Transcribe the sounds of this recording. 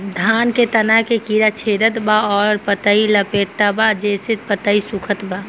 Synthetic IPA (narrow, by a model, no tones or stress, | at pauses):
d̪ʱanket̪ənaɦkekiɾat͡ʃʰed̪ət̪baɔɾpət̪əiləpet̪ːabad͡ʒeset̪̚pət̪əisukʰət̪ba